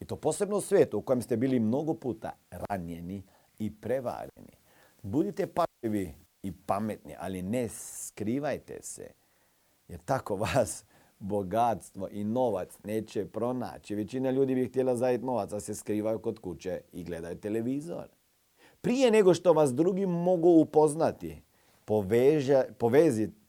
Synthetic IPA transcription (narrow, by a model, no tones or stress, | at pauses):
it̪o̞ːpoːse̞bnousʋjeːt̪uuko̞jemst̪ebiːlimno̞ɡopuːt̪a̰ɾa̰nje̞ni | ipɾeʋa̰ɾḛnḭ | bud̪it̪epaʒʎiʋiː | pamet̪nḭʔa̰lineskɾiːʋajt̪ḛsḛ | jeɾt̪ako̞ʋaːs | boɡat̪st̪ʋo̞ʔino̞ʋat̪sneːt͡ʃepɾo̞na̰ːt͡ʃiʋet͡ɕinaʎuːd̪ibixt̪jelazajit̪no̞ʋat̪saseskɾiːʋajukot̪kut͡ʃeiɡle̞d̪ajt̪eleʋiːzo̰ɾ | pɾijeneɡoʃt̪oʋasd̪ɾuɡimo̞ɡuːpoznat̪i | poʋeʒpoʋeːzi